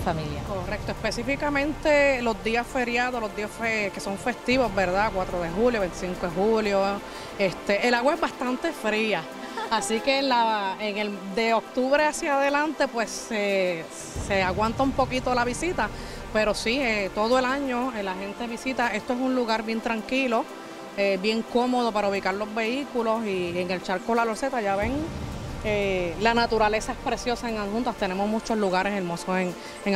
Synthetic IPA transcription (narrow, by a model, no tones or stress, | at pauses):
familjako̞rek̚t̪oespe̞sifikamẽ̞nt̪e̞lo̞zd̪iasfe̞ɾjaðolozd̪iasfeke̞so̞ɱfe̞st̪iβo̞zbe̞ɾðakwat̪ɾoðe̞xuljo̞βent̪isiŋkoehuljo̞ | est̪e̞ʔelaɣwaezbast̪ant̪e̞fɾiaː | sikelaeŋe̞ld̪e̞ok̚t̪uβɾe̞asjaðe̞lant̪e̞pwe̞se | eaɣwant̪aumpo̞kit̪o̞laβisit̪a | pe̞ɾo̞siet̪o̞ðoe̞laɲo̞elahe̞nt̪eβisit̪aʔe̞st̪oesunluɣaɾbje̞nt̪ɾaŋkilo̞ | ebje̞ŋko̞mo̞ð̞o̞paɾauβ̞ikaɾlo̞zβe̞ikulo̞sieŋelt͡ʃaɾkolalo̞ɾse̞t̪aʝaβe̞ŋ | elanat̪uɾale̞saespɾe̞sjo̞saeŋahunt̪ast̪e̞ne̞mozmut͡ʃo̞zluɣaɾe̞seɾmo̞soeŋ | eŋ